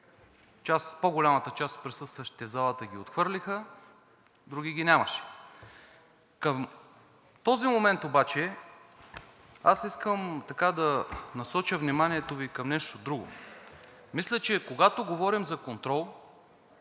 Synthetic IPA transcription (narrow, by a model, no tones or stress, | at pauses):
t͡ʃaspoɡolʲamɐt̪ət͡ʃast̪̚pɾisɤst̪vəʃt̪i̥t̪ɛzalˠət̪əɡ̟ʲiot̪xvɤɾlʲixə | d̪ɾuɡʲiɡʲinʲamɐʃɛ̥ | kəm | t̪ɔzimomɛnt̪obat͡ʃɛ | asiskəmt̪ɐkad̪ɐnɐsɔt͡ʃəvnimanʲiɛt̪ovikɐmnɛʃt̪od̪ɾuɡo̰ | mislʲət͡ʃɛkoɡat̪oɡovɔɾimzɐkont̪ɾɔlˠ